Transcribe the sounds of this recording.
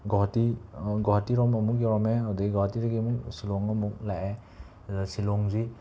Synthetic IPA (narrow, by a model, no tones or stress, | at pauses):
ɡɔɦɔtiɡɔɦatiɾɔmɔmukjɔɾɔmɛadɔɡiɡɔɦatiɾaɡimuk̚silɔŋɔmuk̚laʔe | silɔŋzi